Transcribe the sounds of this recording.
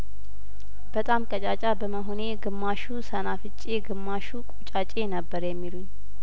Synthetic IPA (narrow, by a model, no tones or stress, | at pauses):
b̥ət̪ʼamkʼət͡ʃʼat͡ʃʼabəməɦone̞ɡɨmːaʃusənafɨt͡ʃʼːeɡɨmːaʃukʼut͡ʃʼat͡ʃʼe̞nəbːəɾjɛmːiluɲː